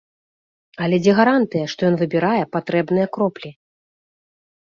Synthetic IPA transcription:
ɐlʲɛd͡zʲɛɣaɾant̪ɨjɐʂt̪ɔjɔnvɨbʲiɾajɛpat̪ɾɛbnɨjɐkɾɔplʲi

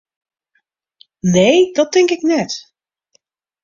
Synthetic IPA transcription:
nejdɔt̚ɪŋkɪknɛt

